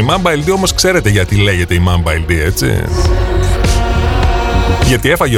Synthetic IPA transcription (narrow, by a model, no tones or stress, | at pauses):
imɐmbɐild̪io̞mo̞skse̞ɾe̞t̪e̞ʝɐt̪ile̞ʝe̞t̪e̞imɐmbɐild̪ie̞t͡sḭ | ʝɐt̪ie̞fɐʝe